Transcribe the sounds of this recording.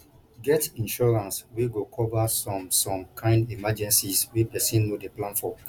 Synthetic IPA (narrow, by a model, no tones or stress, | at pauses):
ɡɛtĩnʃɔɹãnsweɡokʰɔvasɔ̃msɔ̃mkʰãɪ̃ndimad͡ʒɛ̃nsiswepɛsĩnːodeplãnfɔ